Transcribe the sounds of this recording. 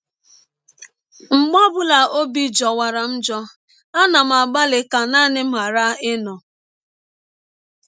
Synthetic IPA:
ŋ͡m̩˨ɡ͡bɔ˦bʊ˦la˨o˦bi˦d͡ʒɔ˨wa˨ɾa˨n̩˦d͡ʒɔ˦ | a˦na˨m̩˨a˨ɡ͡ba˦lɪ˨ka˨na˦nɪ˦m̩˦ɦa˨ɾa˦ɪ˦nɔ˨

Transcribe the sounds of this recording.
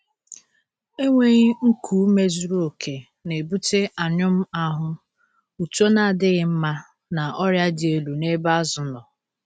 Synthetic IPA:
e˦ŋʷe˦ɲi˦ŋ̩˦kʰu˨˦me˦zu˨˦ɾo˨kʰe˨ | ne˨bu˦te˦a˨ɲʊ˦m̩˦a˦ɦʊ˦ | u˨tu˦o˦na˨a˨dɪ˦ɣɪ˨m̩˦ma˦ | na˨ʔɔ˦ɾja˦dɪ˨e˦lu˨ne˦ba˦zʊ˨nɔ˨

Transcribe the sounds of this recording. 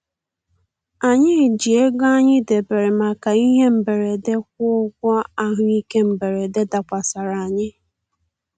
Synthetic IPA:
a˨ɲɪ˦˨d͡ʒi˨e˦ɡa˦ɲɪ˦de˨be˨ɾe˨ma˨ka˨i˦ɦe˦m̩˨be˨ɾe˨de˦k̚ʷʊ˦ʊ˦ɡʷɔ˦a˦ɦʊ˦i˦ke˦m̩˨be˨ɾe˨de˦da˨kʷa˨sa˨ɾa˨a˨ɲɪ˦

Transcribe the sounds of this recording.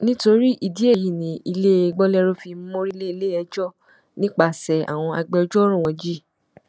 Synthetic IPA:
nĩ˦to˧ɾi˦ʔi˦˨di˦e˦˨ji˦˨nĩ˨˦i˧le˦e˧ɡ͡bɔ˦lɛ˦ɾo˦fi˧m̩˦mõ˦ɾi˦le˦i˧le˦ɛ˧d͡ʒɔ˦˨ | nĩ˦k͡pa˧˨sɛ˨a̰˨w̃ɔ̃˧a˧ɡ͡bɛ˧ɔ˧˦d͡ʒɔ˦ɾɔ̃˦˨wɔ̃˨˧d͡ʒi˦

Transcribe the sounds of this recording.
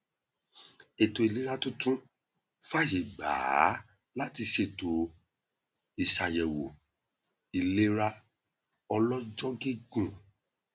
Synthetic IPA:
e˨to˨i˨le˨˦ɾa˦tũ˦tũ˦ | fa˦˨ʃe˨ɡ͡ba̰ː˨˦ | la˦ti˧ʃe˨to˨ | i˨sa˨jɛ˨wo˨ | i˨le˧ɾa˧˦ | ɔ˧lɔ˦d͡ʒɔ˦ɡe˦ɡũ˨

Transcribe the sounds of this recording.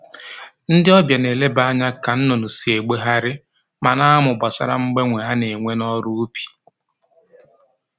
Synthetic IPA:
n̩˦dɪ˦ɔ˦bja˨ne˨le˦ba˦a˦ɲa˦ka˨n̩˦no˨nu˨si˨e˨ɡ͡be˦ɦa˦ɾɪ˦ | ma˨na˦a˦mʊ˨ba˨sa̰˦ɾa̰˨ŋ͡m̩˦ɡ͡be˦ŋʷe˨a˦ne˨ŋʷe˦nɔ˦ɾu˦u˦pi̥˨

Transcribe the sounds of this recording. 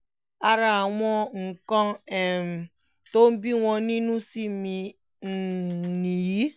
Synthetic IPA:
a˦ɾa˨a˨ŋʷɔ˦ŋ̩˨kɔ˦e˨m̩˨ | to˦m̩˦bi˦ŋʷɔ˨ni˦nu˦si˦mi˨ | ni˨ji˦

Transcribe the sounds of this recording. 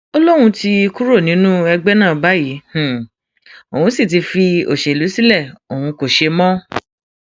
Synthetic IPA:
ɔ˧lɔ˦ɾ̃ũ˧ti˧ku˦ɾo˦˨nĩ˨˦nũ˦ɛ˧ɡ͡bɛ˦nãː˦˨ba˨˦ji˨˦h̩˨ | o˨wũ˨˦si˦˨t̬i˧fi˧o̰˨ʃe˨lu˨˦si˦lɛ˦˨o˨hũ˧ko˨ʃe˧mɔ̃˦

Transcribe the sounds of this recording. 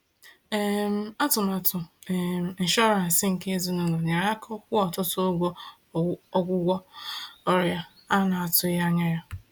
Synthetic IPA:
e˦m˦a˦tʊ˨m˨a˨tʊ˨ | n̩˨ʃɔ˦ɾa˨n̩˨sɪ˦ŋ̩˨ke˦zu˦no˦no˨ɲe˨ɾa˦kɔ˦kʷʊ˦ɔ˨tʊ˦tʊ˦o˦ɡʷo˦ | ɔ˦ɡʷʊ˦ɡʷɔ˦ɔ˦ɾja˦ | a˦na˨a˨tʊ˦ja˦ɲa˦ja˦

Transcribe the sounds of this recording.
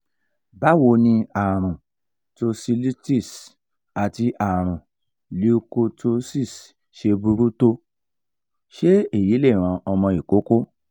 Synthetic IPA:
ba˦wo˧nĩ˧a˨ɾ̃ũ˨ | to˧si˧li˦ti˦˨s | a˨ti˧ʔa˨ɾ̃ũ˨ | li˧u˧ko˧to˧si˦˨s | ʃe˧bu˧ɾu˦to˧ | ʃe˦e˦˨ji˨˦le˦˨ɾ̃ã˧ʔɔ˧mɔ̃˧i˨ko˨˦ko˦

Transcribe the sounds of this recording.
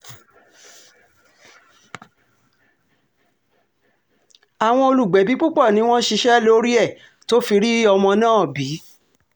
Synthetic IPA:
a˨w̃ɔ̃˧o˧lu˨ɡ͡bɛ˨˦bi˨˦k͡pu˦k͡pɔ˦˨nĩ˨˦w̃ɔ̃˦ʃi˧ʃɛ˦lo˦ɾi˦ɛ˦˨ | to˦fi˧ɾi˦ɔ˧mɔ̃˧nãː˦˨bi˨˦

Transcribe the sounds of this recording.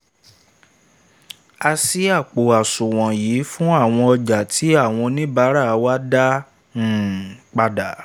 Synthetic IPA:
a˧si˦a˦˨k͡po˨a˨sũ˨w̃ɔ̃˨jiː˨˦fũ˦a˦˨w̃ɔ̃˧ɔ˧d͡ʒa˨tʰi˨˦a˦˨w̃ɔ̃˧nĩ˦ba˨˦ɾa˦˨˧wa˦dã˦˨ | k͡pa˧da˨

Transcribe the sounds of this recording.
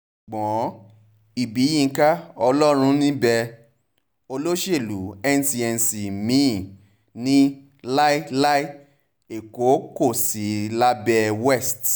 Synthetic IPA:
ɡ͡bɔ̃˨˦ | i˨bi˨˦jĩ˦˧ka˦ɔ˧lɔ˦ɾ̃ũ˦nĩ˦bɛ˧ | o˧lo˦ʃe˦˨lu˨˦ɛ˦n˦si˧ɛ˧n˧si˨mĩ˦˨ | nĩ˦ | la˦la˦i˦ | e˨ko˨˦ko˦˨si˨˦la˦bɛ˧wɛ˦˨st

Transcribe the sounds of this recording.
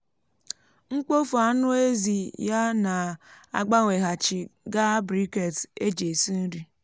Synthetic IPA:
ŋ͡m̩˦k͡po˦fu˨a˦nʊ˦e˦zi˨ja˦na˨a̰˨ɡ͡ba˦ŋʷe˨ɦa˨t͡ʃɪ˨ɡa˦bɾi˦ke˨te˦d͡ʒe˨si˦n̩˦ɾi˦

